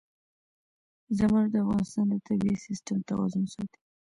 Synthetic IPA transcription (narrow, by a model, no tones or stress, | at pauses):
zəmuʐd̪əafɣɑnɪst̪ɑnd̪ət̪abiisɪsʈamt̪awɑ̰zʊnsɑt̪i̥